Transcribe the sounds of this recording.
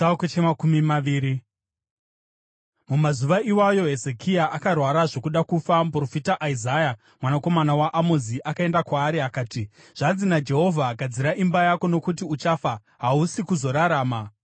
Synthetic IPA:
kot͡ʃemakumimaʋiːɾi | mumazuʋaʔiwajo̞ɦe̞ze̞kijaʔakarwaɾaʐo̞kuɗakufampro̞fitaʔaizaja | mwanako̞manawaʔamoziʔakae̞ndakwaːɾiakaːti | ʐ̥anzinad͡ʒe̞ɦo̞vʱaɡad͡ziɾaʔimbajako̞no̞kutiut͡ʃafa | ɦausikuzo̞ɾaɾaːma

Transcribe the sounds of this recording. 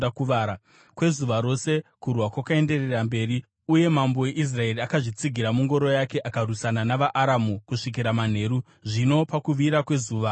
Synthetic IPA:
akuʋaːɾa | kwe̞zuʋaɾo̞se̞kurwakwakae̞nde̞rerambe̞ːri | uje̞mambo̞je̞ʔis̬rae̞riakaʐit͡siɡʱiɾamuŋɡo̞ɾo̞jake̞ʔakarusananaʋaʔːɾamukuʂik̬iɾaman̤e̞ɾu | ʐino̞pakuʋiɾakwe̞zuːʋa

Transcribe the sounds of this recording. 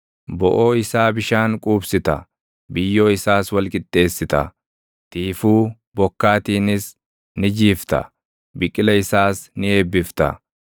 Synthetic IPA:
bɔʔo̞ːɪsaːbɪʃaːŋkʼuːbsɪt̪ɐ̰ | bɪjːo̞ːɪsaːswɐlkʼɪt̪ʼːe̞ːsːɪt̪ɐ̰ | t̪iːfuː | bɔkːaːt̪iːnɪs | nɪd͡ʒiːft̪ɐ̰ | bɪkʼːɪlɐɪsaːsnɪe̞ːbːɪft̪ɐ̰

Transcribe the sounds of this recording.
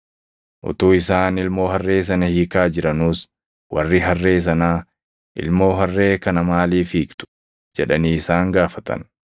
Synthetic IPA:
ʔʊ̰t̪uːɪsaːnɪlmo̞ːhɐrːe̞ːs̬ɐnɐhiːkaːd͡ʒɪɾɐnuːs | wɐ̰rːiɦɐrːe̞ːs̬ɐnaː | ʔɪ̰lmo̞ːɦɐrːe̞ːkɐnɐmaːliːfiːkt̪ʊ̥ | d͡ʒɛᶑɐniːɪsaːŋɡaːfɐt̪ɐ̰n

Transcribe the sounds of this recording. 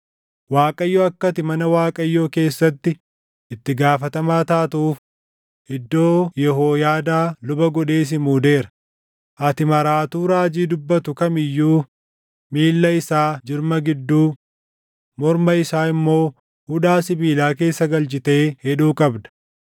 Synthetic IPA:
waːkʼɐjːoːɐkːɐt̪ɪmɐnɐwaːkʼɐjːo̞ːke̞ːsːɐt̪ːɪ | ʔɪt̪ːɪɡaːfɐt̪ɐmaːt̪aːt̪ɐuːf | ʔɪd̪ːo̞ːjɛɦoːjaːd̪aːlʊbɐɡɔᶑe̞ːs̬ɪmuːd̪e̞ːɾɐ̥ | ʔɐt̪ɪmɐɾaːt̪uːɾaːd͡ʒiːd̪ʊbːɐt̪ʊkɐmɪjːuː | miːlːɐɪsaːd͡ʒɪɾmɐɡɪd̪ːuː | mɔɾmɐɪsaːɪmːo̞ː | hʊᶑaːsɪbiːlaːke̞ːsːɐɡɐlt͡ʃɪt̪e̞ːhɛᶑuːkʼɐbd̪ɐ̥

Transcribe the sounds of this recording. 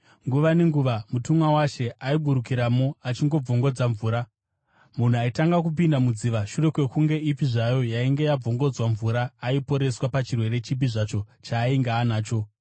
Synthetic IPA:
ŋɡuʋane̞ŋɡuʋamutumwawaʃe̞ʔaiɓuɾukiɾamo̞at͡ʃiŋɡo̞b͡voŋɡo̞d͡zaɱvuːɾa | mun̤uaitaŋɡak̬up̬indamud͡ziːʋaʃure̞kwe̞kuŋɡe̞ipiʐajo̞jaiŋɡe̞jab͡vo̞ŋɡo̞d͡zwaɱvuɾaːipo̞ɾe̞swapat͡ʃirwe̞ɾe̞t͡ʃibiʐaːt͡ʃo̞t͡ʃaːiŋɡaːnaːt͡ʃo̞

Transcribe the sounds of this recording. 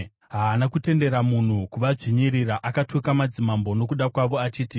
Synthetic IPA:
ɦaːnakute̞nde̞ɾamun̤ukuʋaʐiɲiɾiɾaʔakatʰokamad͡zimambo̞no̞kuɗakwaʋo̞at͡ʃiːti

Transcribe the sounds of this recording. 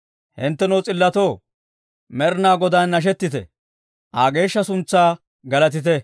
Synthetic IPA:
hɪnt̪ːɛnoːt͡sʼɪlːɐt̪o̞ː | mɛɾnaːɡɔd̪ɐnːɐʃ̬ɛt̪ːɪt̪ɛ̰ | ʔaːɡe̞ːʃːɐsʊnt͡sːaː | ɡɐlɐt̪ɪt̪̬ɛ

